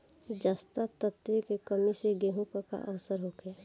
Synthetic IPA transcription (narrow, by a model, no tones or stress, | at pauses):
d͡ʒaːst̪at̪ət̪ʋekekəmiseɡeɦũkka̰ʔəʋsəɾɦoːkʰeː